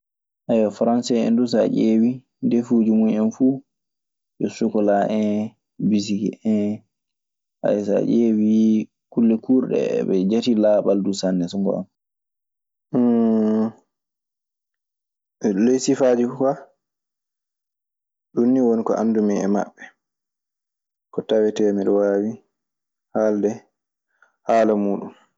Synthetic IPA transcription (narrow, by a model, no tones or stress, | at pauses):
ʔajwafaɾansaɛ̰ndusaʔeːwi | ndefuːd͡ʒumujɛnfu | jɛsukɔlaʔɛ | bis̬ikɛ̰ɛn | ʔa̰jsa̰ʔewi | kulːɛkuɾɗɛ̰bɛ̰d͡ʒatilaːɓaldusanːɛsɔŋkɔ̰a̰n | ɛlejsifaːd͡ʒikɔka | ɗunːiwonikɔ̰ʔa̰ndumiɛma̰ɓːɛ | kɔtawɛtɛmiɗɔwaːwi | haldɛ | haːlamuːɗum